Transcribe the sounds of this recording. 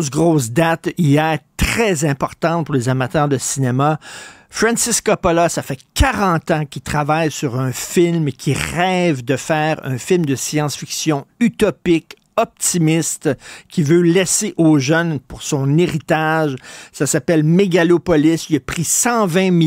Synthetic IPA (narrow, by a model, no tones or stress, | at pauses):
sɡʁos̬d̪at̪ijɛːʁt̪ʁɛzɛ̃pɔʁt̪ɑ̃t̪̚pʊʁlezamat̪œːʁd̪əsinema | fʁɛ̃nsɪskɔpɔlasafɛkʰaʁɑ̃t̪ɑ̃kʲit̪χavajsyʁœ̃fɪlmkʲʰiʁɛvd̪əfɛːʁœ̰̃fɪlmd̪əsjɑ̃sfiksjɔ̃yt̪ɔpɪk | ɔp̚t̪imɪst̪kʲivølɛseʔoːʒœnpʊʁsɔ̃neʁit̪aʒsasapɛlmeɡalopɔlɪsəpʁisɑ̃vɛ̃m